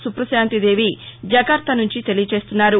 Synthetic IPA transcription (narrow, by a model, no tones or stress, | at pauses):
supɾɐsjaːnt̪id̪e̞ːʋid͡ʒɐɡɐɾt̪ʰːɐnuɲt͡ʃit̪e̞lijɐt͡ʃe̞ːst̪unːaːɾu